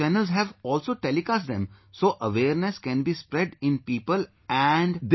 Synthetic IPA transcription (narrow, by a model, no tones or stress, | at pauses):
ɛnəlzɦɛʋɔːlsoːʈelɪkasd̪ɛ̰̃msoːʔəʋeːɾneskɛ̃nbiːspɾɛɖɪ̃npiːpəl | ɛɳɖd̪